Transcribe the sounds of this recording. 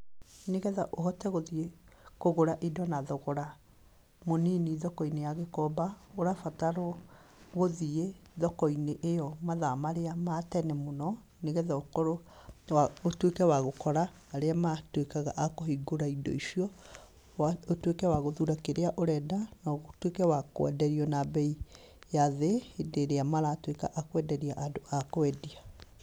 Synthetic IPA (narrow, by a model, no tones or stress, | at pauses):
neɣɛðaʔoɦɔtɛɣoðiekoɣoɾaʔedɔnaðɔɣoɾa | moniniðɔkɔinejaɣekɔbaoɾafataɾo | ɣoðieðɔkɔineʔejɔmaðamaɾeamatɛnɛmonɔ | neɣɛðaokoɾoaotwekɛwaɣokɔɾaː | ɾeamatwekaɣaʔakoɦiɡoɾaidɔ̰iʃiɔ | aotwekɛwaɣoðuɾakeɾeaʔoɾɛdanɔɣotwekɛwakw̰ɛ̰dɛɾiɔnabɛi | jaðeedeɾeamaɾatweka̰ʔakwɛdɛɾiaʔadoakoɛdia